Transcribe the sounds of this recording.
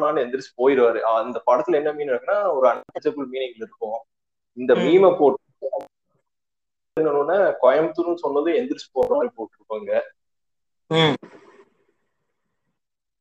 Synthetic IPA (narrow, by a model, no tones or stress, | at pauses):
naːnɯɛnd̪ɪɾɯsɯ̥poːjɪɾɯʋaːɾɯɐɪnd̪ɐpɐɽɐt̪ːɯlɛnːɐmiːnɾɐkːɯnaːɔɾɯɐnɐkːɐt͡ʃɐpːɯlmiːnɪŋɡɐlɪɾɯkːʊ̃ | ɪnd̪ɐmiːmɛpoːʈːɯɯ | ɪnːɐnõːnakɔjɐmt̪ɯnɯsɔnːɐðɯ̃ɛnd̪ɪɾsɯ̥poːɡɐɾaːɾɯpoːʈːɯɾɯkːuːŋɡɐ